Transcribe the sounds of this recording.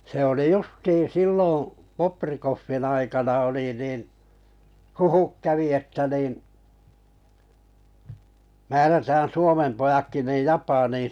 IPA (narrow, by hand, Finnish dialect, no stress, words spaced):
se oli justiːn̞ silːõː poprikofːin ɑikɑnɑ oli niːn̆ huhuk kæʋi etːæ niːn̞̆ mæːrætæːn̞ suomem pojɑkːi niːj jɑpɑniːn